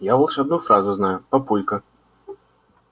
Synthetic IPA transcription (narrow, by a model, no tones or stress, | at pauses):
javɐlˠʂɐb̪nufɾazʊznajʊpɐpujʲkə